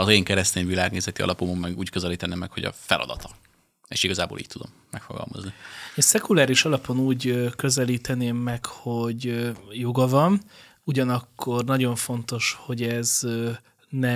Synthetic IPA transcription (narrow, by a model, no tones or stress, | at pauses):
ɒzeːŋkɛɾɛst̪eːnvilaːɡneːzɛt̪iɒ̰lɒpomomːɛɡuːckøzɛliːt̪ɛneːmːɛkho̞ɟɒ̰fɛlɒd̪ɒt̪ɒ | eːʃiɡɒzaːbo̰ːlḭːc̚t̪ud̪o̞̰mːɛkfoɡɒ̰lmɒ̰znieːsɛkulaːɾiʃɒlɒpo̞nuːɟkø̞zɛliːt̪ɛneːmːɛkho̞ɟjo̞ɡɒvɒn | uɟɒnɒkːo̞rnɒɟo̞ɱfo̞nt̪o̞ʃho̞ɟɛz | nɛ